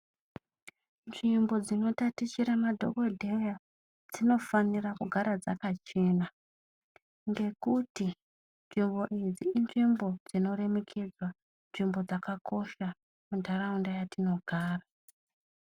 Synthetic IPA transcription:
nʐimbo̞d͡zino̞tatit͡ʃiɾamadʱo̞̰ɡo̞dʱe̞ja | d͡zino̞fanirakuɡʱaɾad͡zakat͡ʃe̞na | ŋɡe̞kuti | nʐimbo̞ʔid͡ziinʐimbo̞d͡zino̞re̞me̞kʰe̞d͡zwa | nʐimbo̞d͡zakakʰo̞ʃa | mundʱaraundajatino̞ɡʱaːra

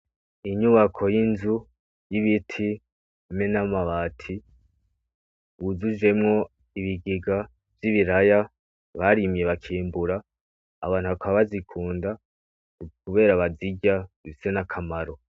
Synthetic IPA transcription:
iɲuβakʰo̞jinzu | jiβitʰi | me̞namaβaːtʰi | wuzud͡ʒe̞mŋo̞ | iβiɡiɡa | v̥jiβiɾaja | βaɾimje̞βakʰiːmbuɾaː | βaːn̥huβakʰaβaβazikʰuːnda | kuβe̞ːɾaβaziɟaβisenakʰamaɾo̞

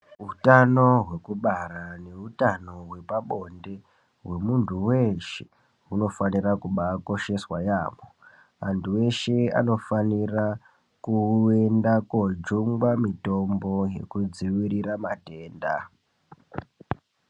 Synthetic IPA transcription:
ɦutano̞ɦwe̞kuɓaɾane̞utano̞ɦwe̞paɓo̞nde | we̞muntuwe̞ʃe̥ | uno̞fanirakuɓako̞ʃe̞swajaːmo | antʰuwe̞ʃe̞a̰no̞fanira | kue̞ndakod͡ʒuŋɡwamito̞mbo̞je̞̰kud͡ziwiɾiɾamate̞ːnda̰

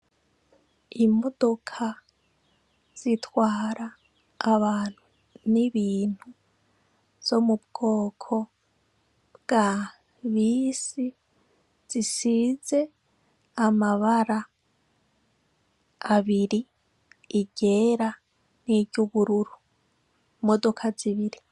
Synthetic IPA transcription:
imo̞dokʰa | z̥itʰwaːɾaː | βaːn̥hu | niβiːn̥hu | z̥o̞mub̚ɡ̥o̞ːkʰo̞ | bɡ̥a | βiːsi | z̥isize̞ | amaβaɾa | βiɾiː | ɟe̞ːɾa | niɟuβuɾuɾu | modo̞kʰaziβiɾi

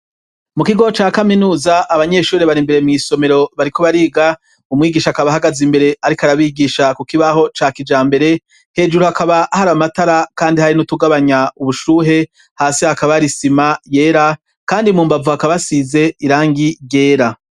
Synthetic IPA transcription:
mukiɡo̞t͡ʃaːkaminuːzaʔaβaɲe̞ːʃuːɾeβaɾimbe̞ɾe̞mŋiːso̞me̞ɾo̞βaɾiko̞βaɾiːɡa | umŋiːɡiːʃaakaβaɦaɡazimbe̞ɾe̞aɾikaɾaβiɡiːʃakukiβaho̞t͡ʃaːkid͡ʒaːmbe̞ɾe̞ | he̞ːd͡ʒuɾuhakaβahaɾamataɾakaːndihaɾinutuɡaβaɲauβuʃuːɦe̞ | haːsihakaβaɾisimaje̞ːɾa | kaːndimuːmbavuhakaβasize̞iɾaːŋɡije̞ːɾa

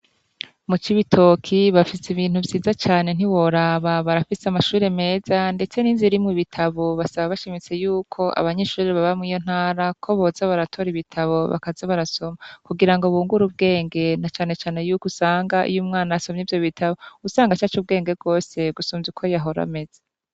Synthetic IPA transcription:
mut͡ʃiβitʰo̞kʰiβafisiβiːn̥huvjiːzat͡ʃaːne̞n̥iβo̞ɾaβaβaɾafiseamaʃuːɾe̞me̞ːzande̞t͡se̞ninziɾimŋiβitʰaβoβasaβaβaʃimit͡se̞juːkʰo̞ʔa̰βaɲe̞ʃuːɾiβaβamŋiːjo̞n̥haːɾakʰo̞βo̞ːzaβaɾatʰo̞ɾiβitʰaβo̞βa̰kazeβaɾaso̞makuɡiɾaŋɡo̞βuːŋɡuɾub̚ɡe̞ːŋɡe̞nat͡ʃaːne̞t͡ʃaːne̞juːkusaːŋɡaʔḭjumŋaːnaaso̞mɲevjo̞βitʰaβousaːŋɡat͡ʃat͡ʃub̚ɡe̞ːŋɡe̞bɡo̞ːse̞ɡusuːnzukʰo̞jaɦo̞ɾa̰me̞z̥a

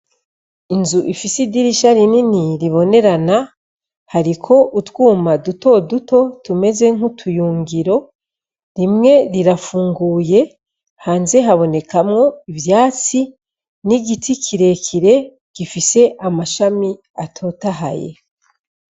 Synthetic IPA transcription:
inzuʔifisidiɾiʃaɾininiɾiβo̞ne̞ɾana | haɾikʰo̞ʔutwuːmaduto̞duto̞tume̞ze̞ŋ̥hutʰujuːŋɡiɾo̞ | ɾimŋe̞ɾiɾafuːŋɡuːje̞ | haːnze̞ɦaβo̞ne̞kʰamŋo̞ivjaːt͡si | niɡitʰikʰiɾe̞kʰiɾe̞ | ɡ̥ifise̞ʔamaʃami | atʰo̞ːtaɦa̰je̞̰

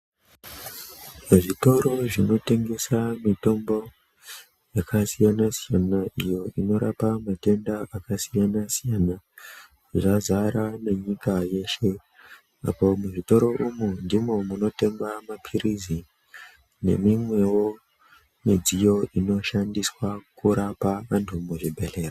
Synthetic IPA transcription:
ʐito̞ɾo̞ʐino̞te̞ŋɡe̞samito̞mbo̞ | jakasijanasijanaʔijo̞ino̞ɾa̰pamate̞ndaakasijanasijana | ʐazaɾane̞ɲikaje̞ʃe̞ | a̰po̞muʐito̞ɾo̞ʔumundimo̞muno̞te̞mbamapʰirizi | ne̞̰mimwe̞wo̞ | mid͡zijo̞ino̞ʃandiswakuɾapaʋantʰumuʐibʱe̞le̞ːra

